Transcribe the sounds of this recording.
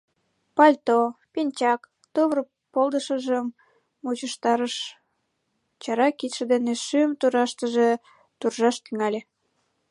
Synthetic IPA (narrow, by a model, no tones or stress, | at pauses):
pɑlʲt̪opinʲt͡ɕɑk | t̪uβr | polˠd̪əʃəʒəmː | ut͡ɕəʃt̪ɑɾəʃ | t͡ɕɑɾɑkit̪ʃəd̪eneʃymt̪uɾɑʃt̪əʒe | t̪urʒɑʃt̪yŋɑlʲe